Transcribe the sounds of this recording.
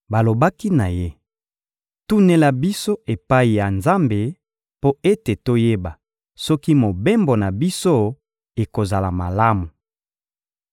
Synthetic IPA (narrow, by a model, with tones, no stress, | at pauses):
ba˨lo˨ba˦ki˦na˨je˦ | tu˦ne˦la˦bi˦so˦e˨pa˦i˨ja˨nza˦mbe˦ | po˦e˦te˨to˦je˦ba˨ | sɔ˦ki˦mo˨be˦mbo˨na˨bi˦so˦ | e˨ko˨za˨la˨ma˨la˦mu˨